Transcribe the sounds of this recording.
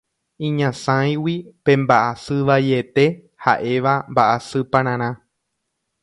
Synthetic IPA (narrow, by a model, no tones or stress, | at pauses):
ĩɲãsãj̃wipẽ̞mbaʔasɨʋajet̪e̞ | ha̰ʔe̞ʋambaʔasɨpãɾ̃ãɾ̃ã